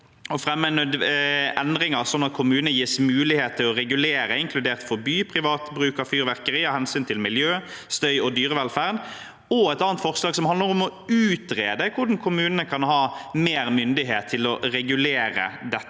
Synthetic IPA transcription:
ɔfɾɛmːənœd̪ʔɛnd̪ʁɪŋəʁsɔnːɑt̪̚kʰʊmʉːnənəjiːsmʉːlɪheːt̪ʰːɪlɔʁɛɡʉleːɾəɪŋkʰlʉd̪eːʁt̪fɔbyːpʰʁɪʋɑːt̪bɾʉːkɑfyːɾʋæʁkəʁiːɑhɛnsyːnt̪ʰɪlmɪljøː | st̪œʏɔd̪yːɾəʋɛlfæːʁn | ɔɛt̪ɑːənt̪fɔʁslɑːɡsɔmhɑnəɾɔmɔʉːt̪ʁeːd̪əkʰʊɖɑn̩kʰʊmʉːnənəkʰɑnhɑːmeːɾmʏnd̪ɪɦeːt̪ʰːɪlɔʁɛɡʉleːɾə̰d̪ɛt̪ː

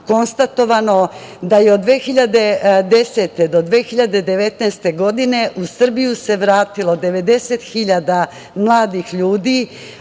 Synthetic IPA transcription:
ko̞nst̪at̪o̞ʋano̞d̪ajeod̪ːʋeːxiʎad̪e̞d̪e̞se̞t̪e̞d̪o̞d̪ʋeːxiʎad̪e̞d̪e̞ʋe̞t̪najst̪e̞ɡo̞d̪ine̞ʔusr̩bijuse̞ʋɾaːt̪ilˠo̞d̪e̞ʋe̞d̪e̞se̞t̪xiʎad̪a | mlˠaːd̪ixʎuːd̪iː

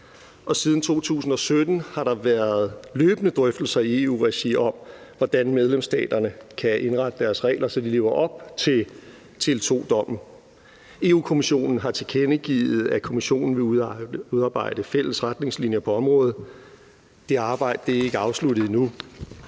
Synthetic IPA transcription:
ʔɒ̽sið̞ˠn̩t͡sʰo̝̰ːt͡sʰṵːsn̩ɒ̽sød̥n̩hɑ̈ɾ̥ɑ̈ʋæːɐð̞̩ˠløːb̥ənəd̥ʁœfd̥l̩sɐie̝ṵːʁɛɕiɒ̽m̰ʋɒd̥ænmeð̞ˠlemsd̥ɛ̰ːd̥ɐnəkʰæʔe̝nʁɑ̈d̥əd̥æɐsʁɛ̰ːɪlʔɐsɒ̽d̥ile̝ːʊɐʔɒ̽b̥̚t͡sʰe̝ | t͡sʰe̝lt͡sʰo̝̰ːd̥ɒ̽m̰̩ | e̝uːkʰo̝miɕo̝̰ːnn̩ɦɑ̈t͡sʰe̝kʰenəɡ̥ḭːð̩ˠækʰo̝miɕo̝̰ːnn̩ʋe̝uðˠɑ̈ːb̥ɑ̈ɪ̰d̥əfel̰əsʁad̥ne̝ŋslinjəpʰɒ̽ɒ̽mʁɔ̽ːð̩ˠ | d̥e̝ɑ̈ːb̥ɑ̈ɪ̰d̥əd̥e̝æe̝ɡ̥əɑ̈ʊsludð̩ˠinu

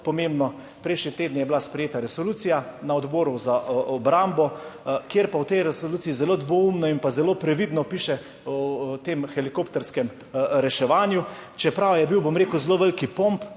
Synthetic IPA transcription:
pɔmembnɔ | pɾɛjʃnit̪eːd̪nijɛblaspɾɛjeːt̪aɾɛsoluːt̪sijanaɔd̪boːɾuzaɔbɾambɔkjeɾpawt̪ɛjɾɛsoluːt̪siizɛloːd̪ʋoumnɔinpazɛlopɾɛʋid̪nɔpiːʃɛ | t̪emxɛlikopt̪ɛɾskɛm | ɾɛʃɛʋaːnjut͡ʃɛpɾawjɛbiwbomɾeːkuwzloʋɛlkipomp

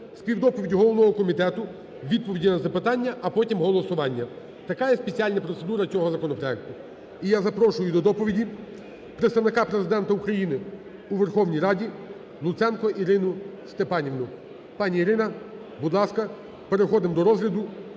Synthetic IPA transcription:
spʲiwd̪ɔpɔʋʲidʲɦɔlˠɔʋnɔɦɔkɔmʲit̪ɛt̪ʊ | ʋʲid̪̚pɔʋʲidʲinɐzɐpɪt̪ɑnʲːɐʔɐpɔtʲimɦɔlˠɔsʊʋɑnʲːɐ | t̪ɐkɑjɛspet͡sʲialʲnɐpɾɔt̪sed̪uɾɐt͡sʲɔɦɔzɐkɔnɔpɾɔɛk̚t̪ʊ | ijazɐpɾɔʃʊjʊd̪ɔd̪ɔpɔʋʲidʲi | pɾet̪st̪ɐʋnɪkɑpɾezɪd̪ɛnt̪ɐukɾɐjinɪ | uʋerxɔwnʲijɾɑdʲi | lˠʊt̪sɛnkɔʔiɾɪnʊst̪epɑnʲiʋnʊ | pɑnʲiiɾɪnɐ | bud̪lˠɑskɐ | pe̞ɾexɔd̪ɪmd̪ɔɾɔzɦlʲɐd̪ʊ

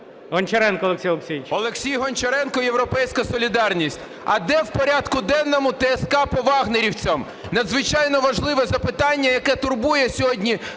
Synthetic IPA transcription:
ɦɔnʲt͡ʃeɾɛnkɔlˠeksʲijɔlˠeksʲijt͡ʃʲɔlˠeksʲijɦɔnt͡ʃeɾɛnkɔje̞wɾɔpɛjsʲkɐsɔlʲid̪ɑrnʲisʲtʲ | ɐ̰d̪ɛwpɔɾʲat̪kʊd̪ɛnːɔmʊt̪ɛːskɑpɔʋɑɦneɾʲiwt͡sʲɐm | nɐd̪zʋɪt͡ʃɑjnɔʋɐʒlˠɪʋɛzɐpɪt̪ɑnʲːɐjɐkɛt̪ʊrbujɛsʲɔɦɔdʲnʲi

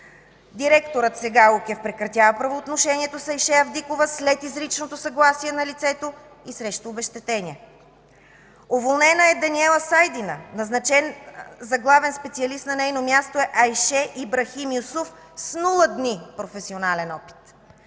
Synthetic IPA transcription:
d̪iɾɛkt̪oɾət̪sɛɡaukʲɛfpɾɛkɾɐt̪ʲjavɐpɾɐvoːt̪noʃɛnʲiɛt̪osɐjʃɛɐvd̪ikovəslɛt̪izɾit͡ʃnot̪osɐɡlˠasiɛnɐlit̪sɛt̪o | isɾɛʃt̪oːbɛʃt̪ɛt̪ɛnʲiɛ | ovolˠnɛnəɛd̪ɐniɛlˠɐsajd̪inə̰nɐznɐt͡ʃɛnzɐɡlˠavɛnspɛt̪siɐlist̪nɐnɛjnomʲjast̪oɛʔɐjʃɛʔibɾɐximiusuf | snulˠəd̪nipɾofɛsionalɛnɔpi̥t̪

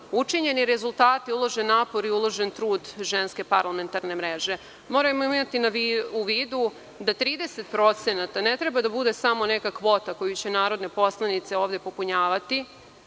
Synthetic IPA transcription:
ut͡ʂiɲe̞niɾezulˠt̪aːt̪iulˠo̞ʒenːaːpo̞ɾiulˠo̞ʒent̪ɾuːd̪ʒenske̞paɾlame̞nt̪aɾnemɾeʒe̞ | mo̞ːɾajmoiimat̪inaʋiuʋiːd̪u | d̪at̪ɾiːd̪ese̞t̪pɾo̞t̪se̞nat̪anet̪ɾebad̪abud̪esamo̞nekakʋo̞ːt̪ako̞jut͡ɕenaːɾo̞d̪ne̞po̞slˠanit̪se̞o̞ːʋd̪e̞po̞puɲaːʋat̪i

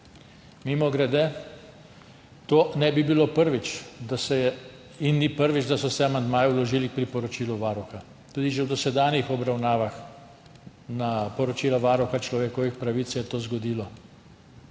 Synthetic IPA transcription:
mimɔɡɾɛd̪ɛ | t̪oːnɛbibiloːpəɾʋit͡ʃ̪sɛɛ | inːipəɾʋit͡ʃd̪asɔsɛamand̪maːjɛulɔʒiːlik̚pɾipɔɾɔt͡ʃiːluʋaːɾɔxa | t̪uːd̪iʒɛwd̪ɔsɛd̪aːnjixɔbɾawnaːʋax | napɔɾɔt͡ʃiːlaʋaːɾuxat͡ʃlɔʋekɔʋixpɾaʋit̪sjɛt̪oːzɡɔd̪iːlɔ

